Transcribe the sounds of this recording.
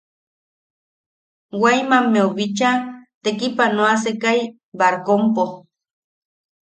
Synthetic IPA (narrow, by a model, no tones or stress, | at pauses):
wajmamːeoβit͡ʃat̪ekipanoasekaj | baɾkompo